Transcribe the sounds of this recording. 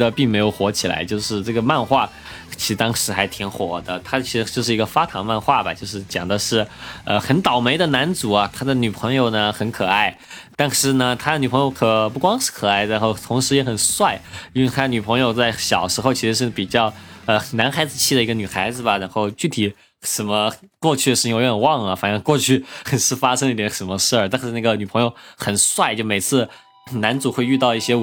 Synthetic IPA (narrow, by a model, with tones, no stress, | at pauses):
d̪ə˧pi˥˩ŋme˧˥ɪjo˨˩ʊxwɔ˧˥t͡ɕʰi˨˩la̰˧˥ɪt͡ɕjo˥˧ʊʂɻ̩˥˧ʈ͡ʂɤ˥˩ɡə˩ma˥˧nxwa˥˩ | t͡ɕʰi˧˥ʂɻ̩˧˥t̪ɑ˥ŋʂɻ̩˧˥xa˧˥ɪt̪ʰi˧˥ŋxwɔ˨˩d̪ə˦t̪ʰa˥t͡ɕʰi˧˥ʂɻ̩˧˥t͡ɕjo˥˧ʊʂɻ̩˥˩i˧˥ɡə˧fa˥t̪ʰɑ˧˥ŋma˥˧nxwa˥˩bɐ̰˨˩t͡ɕjo˥˧ʊʂɻ̩˥˩t͡ɕjɑ̰˨˩ŋd̪ə˦ʂɻ̩˥˩ə˧xə˧˥nt̪ɑ˨˩ʊme˧˥ɪd̪ə˧na˧˥nt͡su˨˩ɐ˧t̪ʰa˥d̪ə˨ny˨˩pʰɤ˧˥ŋjo˨˧ʊnə˩xə˧˥nkʰɤ˨˩a˥˩ɪ | t̪ɑ˥ŋʂɻ̩˧˥nə˧t̪ʰa˥d̪ə˨˩ny˨˩pʰɤ˧˥ŋjo˧˥ʊkʰɤ˨˩p̬u˥˩kwɑ˥ŋʂɻ̩˥˩kʰɤ˨˩a˥˩ɪɻnxo˥˩ʊt̪ʰʊ˧˥ŋʂɻ̩˧˥jɛ˧˥xə˨˩nswa˥˩ɪi˥we˥˧˩t̪ʰa˥d̪ə˩ny˨˩pʰɤ˧˥ŋjo˧ʊt͡sa˥˩ɪɕjɑ˨˩ʊʂɻ̩˧˥xo˧ʊt͡ɕʰi˧˥ʂɻ̩˧˥ʂɻ̩˥˩pi˨˩t͡ɕjɑ˥˩ʊə˧na˧˥nxa˧˥ɪd͡zɹ̩˧t͡ɕʰi˥˩ə˩i˧˥ɡə˧ny˨˩xa˧˥ɪd͡zɹ̩˩bɐ˩ɻa˧˥nxo˥˧ʊt͡ɕy˥˩t̪ʰi˨˩ | ʂə˧˥nmə˧kwɔ˥˧t͡ɕʰy˥˩ʂɻ̩˥˩˧jɛ˥˩ə˨˩wɑ˥˩ŋlə˩fa˨˩ŋʂɤ˥˧ŋkwɔ˥˧t͡ɕʰy˥˩xə˨˩nʂɻ̩˥˧fa˥ʂə̃˥ŋd̪i˥˩jɛ˧˥ʂə˧˥nmə˧ʂə˞˥˩t̪a˥˧nʂ̩˥˧na˥˩ɡə˩ny˨˩pʰɤ˧˥ŋjo˧ʊxə˨˩nswa˥˩ɪt͡ɕjo˥˩ʊme˨˩ɪt͡sʰɹ̩˥˩ | na˧˥nt͡su˨˩xwe˥˧ɪy˥˧t̪ɑ˥˧ʊi˥˩ɕjɛ˥